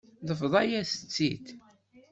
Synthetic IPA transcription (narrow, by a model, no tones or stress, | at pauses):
ðəfðˤɑjæθə̥t͡sːit̪